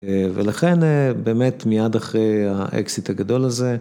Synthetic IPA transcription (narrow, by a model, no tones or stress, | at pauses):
velaχenbe̞ːmet̪mijad̪aχʁejaʔḛksit̪haɡad̪o̞laze̞